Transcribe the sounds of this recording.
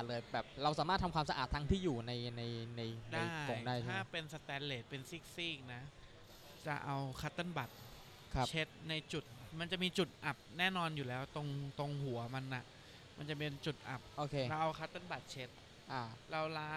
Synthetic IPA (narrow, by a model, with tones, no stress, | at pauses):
t̪̚lɤː˧jbɛː˨˩p̚ɾa˧wsaː˩˦maː˥˩t̪ʰːa˧mkʰwaː˧msa˧ʔa̰ː˨˩t̪ʰːa˦˥ŋt̪ʰiː˥˩juː˨˩na˧jna˧jna˧jndaajːo˧ŋdaː˥˩jʰaː˥˩pe˧nsa˧t̪ɛː˨˧˥nleː˨˩t̪̚pe˧nsiː˦˥˩k̚siː˥˩k̚na˦˥ | t͡ɕa̰˨˩ʔa˧wkʰa˦˥t̪ːa˥˩nba˨˩t̪̚ | kʰa˦t͡ɕʰe˦˥t̪̚na˧jt͡ɕu˨˩t̪̚ma˧nt͡ɕa˨˩miː˧t͡ɕu˨˩t̪̚ʔa˨˩p̚nɛː˥˩nɔː˧njuː˨˩lɛː˦˥wt̪o˧ŋt̪o˧ŋhu˩˦ɐma˧nʔa˨˩ʔ | ma˧nt͡ɕa˨˩pe˧nt͡ɕu˨˩t̪̚ʔa̰˨˩p̚ʔoː˧˩kʰeː˧a˧wʔa˧wkʰa˦˥t̪ːo˥˩nba˨˩t̪̚t͡ɕʰe˦˥t̪̚ | ʔa˧˩ɾa˧wlaː˦˥